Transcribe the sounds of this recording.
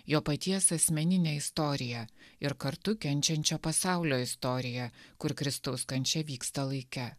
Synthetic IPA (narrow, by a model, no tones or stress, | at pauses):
joːpɐt̪ʲiɛsɐsʲmʲɛnʲɪnʲeːɪst̪ɔɾʲɪjɛɪɾkɐɾt̪ʊkʲɛnʲt͡ʃʲɛnʲt͡ʃʲoːpɐsɑˑʊlʲoːɪst̪ɔːɾʲɪjɛkʊɾkɾʲɪst̪ɐʊskɐnʲt͡ʃʲɛʋʲiːkst̪ɐlˠɐɪkʲɛ